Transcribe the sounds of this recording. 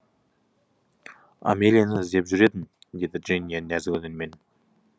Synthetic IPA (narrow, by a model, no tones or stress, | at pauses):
a̰mʲelʲijanəɪzd̪e̞pʒʏɾe̞d̪ɪn | d̪e̞d̪ɪʒinijannæzɪkɵd̪enme̞n